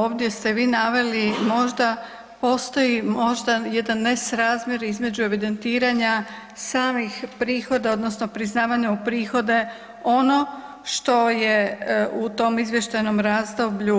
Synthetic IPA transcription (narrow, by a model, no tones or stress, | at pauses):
oːʋd̪je̞st̪e̞ʋiːnaʋe̞limo̞ʒd̪a | po̞ːst̪o̞jimo̞ʒd̪aje̞d̪anːesɾaːzmʲje̞ɾizme̞d͡ʑue̞ʋid̪e̞nt̪iːɾaɲa | saːmixpɾiːxo̞d̪ao̞d̪no̞sno̞pɾiznaːʋaɲaupɾiːxo̞d̪e̞ | o̞no̞ | ʃt̪o̞je̞ut̪o̞mizʋje̞ʃt̪ajno̞mɾaːzd̪o̞bʎu